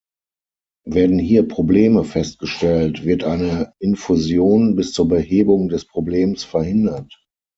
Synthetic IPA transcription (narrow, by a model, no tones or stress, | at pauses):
veːɐdn̩ɦiːɐpʁ̥obleːməfɛst̚ɡ̥əʃtɛltv̥ɪɐtʔaɪnəʔɪnfuzjoːnbɪst͡suːɐbəheːbʊŋdɛspʁ̥obleːmsfɛɐhɪndɐt